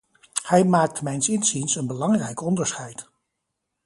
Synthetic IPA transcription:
hɛjmaːk̚tmɛjnsɪnzinsənbəlɑŋrɛjkɔndəɹsχɛjt

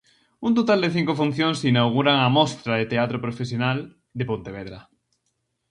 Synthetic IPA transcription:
unt̪ot̪ald̪eθiŋkofun̟θjoŋsinawɣ̞uɾaŋamɔst̪ɾaðet̪eat̪ɾopɾofesjonal | d̪epont̪eβ̞ɛðɾa

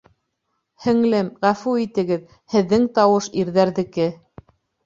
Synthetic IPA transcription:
hɘ̆ŋlɘmʁæfuit̪ɘ̆ɡɘð | hɘ̆ðːɘŋt̪ɑwɤʃiɾðæɾðɘ̆kɘ

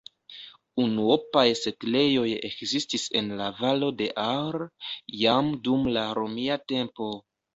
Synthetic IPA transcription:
unuo̞pajse̞tle̞jo̞jekzistise̞̰nlavalo̞de̞ʔaɾjamdumlaɾo̞miate̞mpo̞

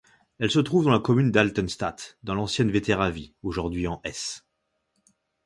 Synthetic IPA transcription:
ɛlsət̪χuvd̪ɑ̃lakɔmynd̪alt̪ɔnst̪at̪d̪ɑ̃lɑ̃sjɛnvet̪eʁavioʒuʁd̪ɥiɑ̃ʔɛs

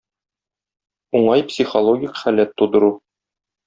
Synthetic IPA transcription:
uɴɑjpsʲiχolˠoɡʲikχælæt̪ːud̪ɤ̆ɾu

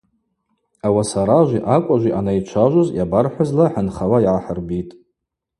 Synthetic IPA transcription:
awasaɾaʒʷiʔakʷʼaʒʷiʔanait͡ʃʷʰaʒʷozjabarħʷazlaħanχawajʕaħərbitʼ

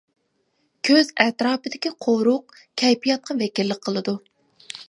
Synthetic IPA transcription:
kʲʰøzɛt̪ɾɑːpɨd̪ɪkʲiqʰoɾʊq̚ | kʲʰɛjpijɑt̪̚qʰɑvɛkʲilːɪk̚ʲqʰəlˠɨd̪u

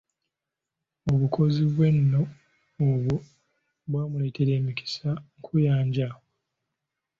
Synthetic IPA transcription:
oβukʰo̞ziβwe̞nːo̞ː | βwo | βwaːmule̞ːtʰe̞ɾe̞ːmiki̥saŋkʰujaːɲɟa

